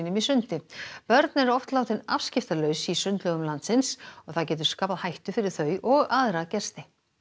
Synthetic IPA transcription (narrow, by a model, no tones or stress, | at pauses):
nʏmisʏnt̪ɪpœɾt̪nɛɾɔft̪lawt̪ɪnafscɪft̪alœɥsisʏnt̪lœɣʏmlant̪sɪnsɔɣθaðcɛːt̪̬ʏɾ̥skaːpaðhajht̪ʏfɪɾɪɾ̥θœːɥʔɔɣaðɾacɛr̥st̪ɪ